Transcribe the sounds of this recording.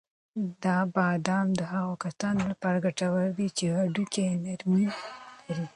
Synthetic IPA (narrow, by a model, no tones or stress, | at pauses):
d̪ɑbɑd̪ɑmd̪əɦaɣokasɑnlapɑɾaɡaʈawəld̪it͡ʃehaɖukenaɾmilaɾi